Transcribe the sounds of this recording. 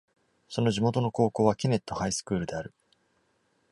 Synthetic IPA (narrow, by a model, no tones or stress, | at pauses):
so̞no̞ʑimo̞t̪o̞no̞ko̞ːko̞ːβakʲine̞t̪ːo̞haisɨ̥kɯːɾɯ̟d̪e̞aɾɯ̟